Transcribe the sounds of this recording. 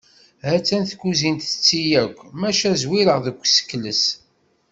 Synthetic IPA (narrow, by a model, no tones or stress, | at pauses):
hæt͡sːænθkːuzint̪ə̥t͡sːijækʷːmæʃæzwiɾəʁðəkʷːsə̥kːləs